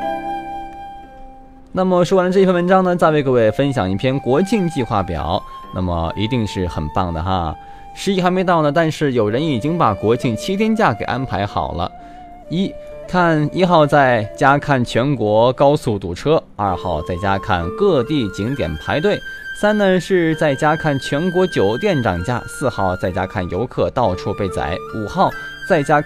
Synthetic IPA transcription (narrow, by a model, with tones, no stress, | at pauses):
na˥˩mə˨˩ʂwwa˧nəʈ͡ʂɤ˥˧jnwə˧˥nʈ͡ʂɑ˥ŋnə˨t͡sa˥˧ɪwe˥˧ɪkɤ˧we˥˩ɪfə˥nɕjɑ̰˨˩ŋi˥˩pʰjɛ˥˧nkwɔ˧˥t͡ɕʰi˥˧ŋt͡ɕi˥˧xwa˥˩pjɑ̰˨˩˦ʊnʔa̰˥˩mə̰˩i˧˥t̪i˥˧ŋʂɻ̩˥˩xə̰˨˩npa˥˩ŋd̪ə˩xa̰˧ | ʂɻ̩˧˥i˥˩xa˧˥me˧˥ɪt̪ɑ˥˩ʊnə˩t̪a˥˧nʂɻ̩˥˩jo˨˩ʊɻə˧˥ni˨˩t͡ɕi˥ŋpa˨˩kwɔ˧˥t͡ɕʰi˥˩ŋt͡ɕʰi˥t̪ʰjɛ˥nt͡ɕja˥˩ke˨˩ɪʔa̰˥npʰa˧˥ɪxɑ̰˨˩ʊlə̰˦ | i˥ | kʰa˥˩ni˥xɑ˥˧ʊt͡sa˥˩ɪt͡ɕja˥kʰa˥˩nt͡ɕʰɥɛ˧˥nkwɔ˧˥kɑ˥ʊsu˥˩t̪ṵ˨˩ʈ͡ʂʰɤ˥ɐ˞˥˧xɑ˥˧ʊt͡sa˥˩ɪt͡ɕja˥kʰa̰˥˧nkɤ˥˧t̪i˥˩t͡ɕi˧˥ŋt̪jɛ̰˨˩npʰa˧˥ɪt̪̬we˥˩ɪ | sa˥nnə˧ʂɻ̩˥˧t͡sa˥˩ɪt͡ɕja˥kʰa˥˩nt͡ɕʰɥɛ˧˥nkwɔ˧˥t͡ɕjo˨˩ʊt̪jɛ˥˩nʈ͡ʂɑ̰˨˩ŋt͡ɕja̰˥˧˩sɹ̩˥˧xɑ˥˩ʊt͡sa˥˩ɪt͡ɕja˥kʰa˥˩njo˧˥ʊkʰɤ˥˧t̪ɑ˥˧ʊʈ͡ʂʰu˥˧pe˥˩ɪt͡sa̰˧˩˦ɪu˨˩xɑ˥˧ʊ | t͡sa˥˩ɪt͡ɕja˥